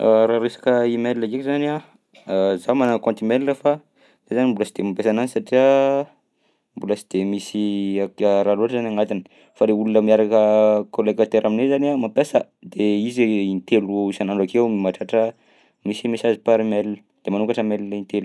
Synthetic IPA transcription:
aɾaɾesḁkəimellaɡekizana | zamanakõnt̪imelinəfa | ezanimbulasid̪emapesananisaʈ͡ʂiə | mbulasid̪̥emisiakaɾaluaʈ͡ʂəzanaŋat̪inə̥ | faɾeulunəmiaɾakəkolekat̪eɾʔaminezaniamapesə | d̪eizint̪eluisanaɳɖ͡ʐakewmimaʈ͡ʂaʈ͡ʂə | misimesazipaɾimeliə̥ | d̪̥emanuŋkaʈ͡ʂəmellint̪elu

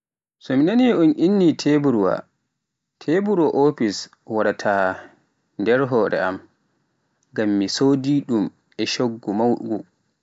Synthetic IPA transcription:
sɔminaniɔnʔinːitʰebuɾwa̰ | tʰebuɾwaʔopis | waɗatʰaː | ndɛɾɦɔːɾɛ̰am | ɡamːisoːdiɗum | ɛʃoɡːumawɡu

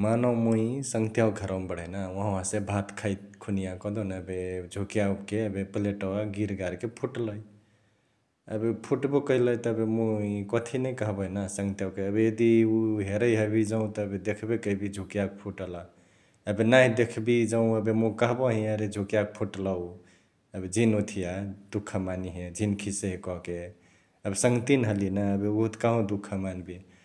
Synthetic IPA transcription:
manəwmuĩsə̃ŋɡt̪jawɡʱəɾəmbəɽ̤ənaɦããsebʱat̪kʰəjt̪̚kʰunijakɔd̪onəbed͡ʒʱokijakeəbepəleʈɔwaɡiɾɡaɾkepʰuʈləj | ə̰bepʰuʈbokəiləjt̪əbemuikɔt̪ʰinəjkəɦbəinasəŋɡt̪jawkeəbejed̪iuɦeɾəjɦəbid͡ʒəũt̪ɔəbed̪ekʰbekəibid͡ʒʱukijak̚pʰuʈəla | əbenaɦid̪ekʰbid͡ʒəũəbemokəɦbɔɦĩəɾed͡ʒʱukjak̚pʰuʈlaw | əbed͡ʒʱinot̪ʰijad̪ukʰːəmaniɦed͡ʒʱinkʰiseɦekɔɦke | əbesəŋɡt̪inɦəlinaəbeuɦut̪kaɦõd̪ukʰːəmanbi

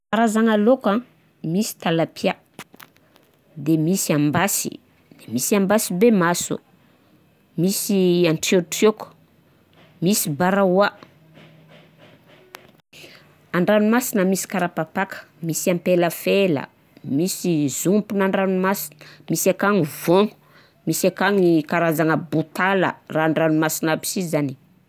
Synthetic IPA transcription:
aɾazaŋaloka | misi̥t̪alapia | d̪emisiambasḭ | d̪̥emisiambasibemasṵ | misianʈ͡ʂioʈ͡ʂoku̥ | misibaɾawa | aɳɖ͡ʐanumasinəmisi̥kaɾapapakə̥misiampeləfelə̰ | misizumpunaɳɖ͡ʐanumasi̥nə̥misakaŋivoŋu | misakaŋikaɾazaŋəbut̪alə̰raːɳɖ͡ʐanumasinabi̥sizani

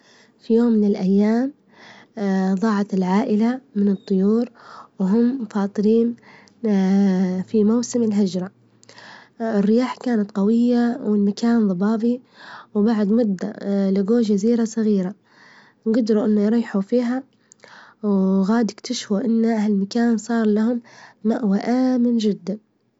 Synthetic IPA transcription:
fijoːmːɪnɪlʔajːaːm | ðˤɑːʕat̪ɪlʕaːʔɪlamɪnɨt̪ˤːʊjuːɾwɦʊmːfɑːt̪ˤɨɾiːn | fimawsɪmɪlɦɪd͡ʒɾˤɑ | ɪrːɪjaːħkaːnat̪qɑwɪjːawɪlmakaːnðˤɑbɑːbi | wbaʕd̪mʊd̪ːa̰lɪɡoːʒaziːɾasˤɑɣiːɾa | ɡʊd̪ɾuʔɪnːajɾˤɑːħufiːɦa | wɣaːd̪ɪkt̪ʰaʃfuʔɪnːʔahalmakaːnsˤɑːɾˤlahʊmːaʔwaʔaːmɪnd͡ʒɪd̪ːan

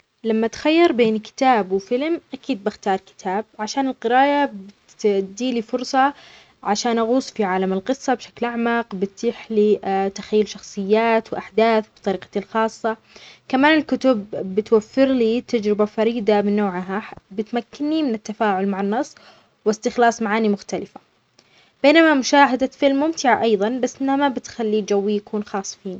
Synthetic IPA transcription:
lamːat̪xajːɑɾˤbeːnkɪ̥t̪aːbwɪfɪlmʔakiːd̪̚bɪxt̪ɑːɾˤkɪ̥t̪ʰaːb̚ʕaʃaːnɪlqɨɾaːʔabɪ | d̪iːlifʊɾsˤɑ | ʕaʃaːnʔaɣuːsˤfiʕaːlamɪlqɨsˤːɑbʃḁklʔaʕmaqbɪt̪ːiːħlit̪axajːʊlʃɑxsˤɨjːaːt̪wʔaħd̪aːθbt̪ˤɑɾiːqɑ̥t̪ɪlxɑːsˤːɑ | kamaːnɪlkʊt̪ʊbːɪt̪wafːɪɾliːt̪ad͡ʒɾɪbafɑɾiːd̪amɪnːoːʕɦabɪt̪makːɪnːimɪnɪt̪ːafaːʕʊlmaʕanːɑsˤː | wɪst̪ɪxlɑːsˤmaʕaːnimʊxt̪alɪfa | b̥eːnamamʊʃaːɦad̪afɪlmːʊmt̪ɪʕaʔɑjðˤɑnbasːʔɪnːamabɪt̪xalːiːd͡ʒawːijakuːnxɑːsˤːfiːni

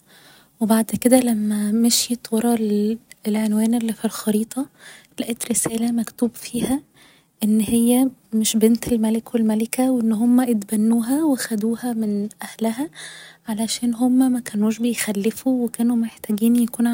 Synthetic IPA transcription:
webaʕd̪ked̪ælæmːæmeʃit̪wɑɾˤɑlelʕenwæːnelːifilxɑɾiːt̪ˤʰɑlæʔet̪ɾesæːlæmækt̪uːbfiːhæ | ʔenːhejːæmeʃbent̪elmælekwelmælekæwʔenːɦomːæʔet̪bænːuːɦæwexæd̪uːhæmenʔæhlæɦæʕalæʃæːnɦomːæmækænuːʃbejxælːefuwekæːnumeħt̪æɡiːnjækuːn

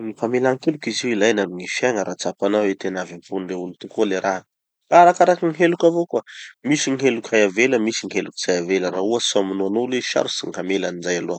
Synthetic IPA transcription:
ŋifamelaŋkelukiziwilajnamiŋifjaŋəɾʔat͡sapanawet̪enavimpunreulit̪ukoleɾa | aɾakaɾakiŋiɦelukʲavokwamisiŋiɦelukʲajaveləmisiŋiɦelukiz̥ajavelərauasamunuanoleʃa̰ɾusiŋkamelanid͡ʒajaluḁ

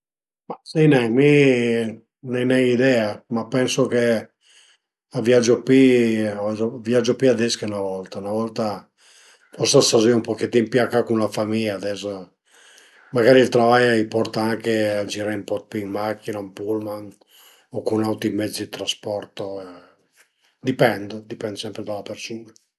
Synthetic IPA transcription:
masinɛmi | nenɛid̪ɛamapːɛnsoke | avjad͡ʒopiavzoviad͡ʒopiad̪ɛskaunavɔlt̪aunavɔlt̪a | fɔɾsasaziumpoket̪ːimpjakːakunlafamiʎaːd̪ɛs | maɡaːɾilt̪ɾavajaipɔrt̪aaŋkead͡ʒiɾaimpɔt̪pimmakːinampulman | okunawt̪ɾimɛd̪zid̪it̪ɾaspɔɾt̪o | d̪ipɛnd̪d̪ipɛnd̪sɛmpɾed̪alapeɾsuːna

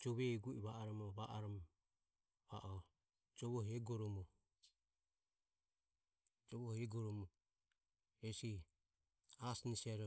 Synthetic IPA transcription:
d͡ʒɔβɛɡuiβaʔaɾɔmɔβaʔaɾɔm | βaʔɔ | d͡ʒɔβɔɦɛɡɔɾɔmɔ | d͡ʒɔβɔhɛɡɔɾɔmɔ | ɛsi | asnisiaɾɔ

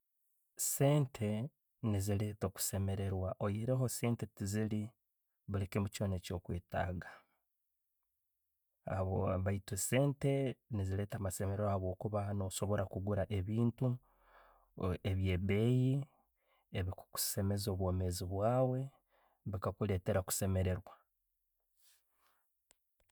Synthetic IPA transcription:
se̞ːntʰe̞ | nizile̞ːto̞ku̥se̞me̞ɾe̞ɾwaʔojeɾeɦo̞seːnte̞tizili | βulekemuco̞ːneːco̞ːkweːta̰ːɡa | aβoβaitese̞ːnte̞nizile̞ːtaːmase̞meɾeɾohaβo̞ːkuβano̞so̞βo̞ɾakuɡuɾaʔe̞βiːntu | eβje̞ːbe̞ːji | eβiku̥ku̥se̞me̞zoːβwo̞ːmeziβwaːwe̞ | βikakule̞ːte̞ɾaku̥se̞me̞ɾe̞ɾwa

